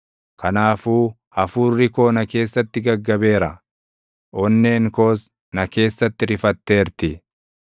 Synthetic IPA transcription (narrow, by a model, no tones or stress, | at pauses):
kʰɐnaːfuː | ɐfuːrːɪko̞ːnɐke̞ːsːɐt̪ːɪɡɐɡːɐbe̞ːɾɐ | ʔɔnːe̞ːŋkoːs | nɐke̞ːsːɐt̪ːɪɾɪfɐt̪ːe̞ːɾt̪ɪ